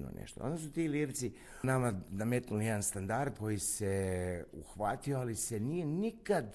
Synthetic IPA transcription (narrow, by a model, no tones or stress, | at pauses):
no̰nʔḛʃt̪o̰ond̪asut̪iːliːɾt̪si | namanamet̪nulijed̪anst̪and̪aɾd̪ko̞jiseṵxʋat̪io̞alise̞nije̞nikad̪